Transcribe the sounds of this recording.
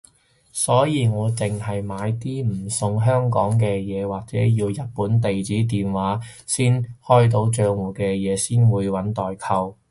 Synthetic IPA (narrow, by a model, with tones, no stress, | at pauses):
sɔː˨˥jiː˨˧ŋɔː˨˧t͡sɪ˨ŋɦɐ˨jmaː˨˧jt̪iː˥m̩˨˩sʊ˧ŋɦœː˥ŋkɔː˨˥ŋk̬ɛː˧jɛː˨˧waː˨k̚t͡sɛː˨˥jiː˧wjɐ˨t̚puː˨˥nt̪e˨jt͡siː˨˥t̪iː˨˩nwaː˨˥siː˥nhɔː˥jt̪̬o˨˧˥wt͡ʃœː˧ŋwuː˨˩kɛː˧jɛː˨˧siː˥nwuː˨˧jwɐ˨˥nt̪ɔː˨jkʰɐ˧w